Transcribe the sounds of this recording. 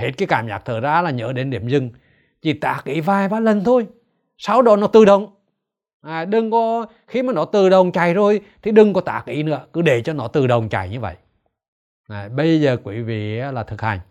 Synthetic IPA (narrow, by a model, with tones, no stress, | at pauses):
he˧˦˥t̚kaː˨˦jkaː˧˦mzaː˨˩k̚t̪ʰəː˧˩zaː˧˦laː˨˩ɲə̰ː˧˦ɗe˨˦nɗi˧˩əmzɨ˧ŋ | t͡ɕi˨˩t̪a̰ː˧˦k̚ʔḭ˧˦vaː˧jvaː˨˧˦lə˨˩nt̪ʰo˧j | sa˨˦wɗɔ˨˦nɔ˨˦t̪ɨ˨˩ɗə˨˩wŋ͡m | ʔaː˨˩ɗɨ˨˧˩ŋkɔ˨˦ | xi˧maː˨˩nɔ˨˦t̪ɨ˨˩ɗə˨˩wŋ͡mt͡ɕa˨˩jzo˨˩jt̪ʰi˨˩ɗɨ˨˧˩ŋkɔ˨˦t̪a̰ː˧˩˥k̚ʔḭ˧˩˦nɨ̰˧˥əkɨ˨˦ɗe˧˩t͡ɕɔ˧nɔ˨˦t̪ɨ˨˩ɗə˨˩wŋ͡mt͡ɕa˨˩jɲɨ˧və̰˧˨jʔ | aː˨˩ɓə˧jzəː˨˩kwi˧˩˦vḭ˧˨aː˨˦laː˨˩t̪ʰɨ˨˩k̚ha˨˩jŋ̟